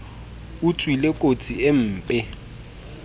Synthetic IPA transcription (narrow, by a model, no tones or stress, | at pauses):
ut͡sʼwilekʼot͡sʼiem̩ːpʼɪ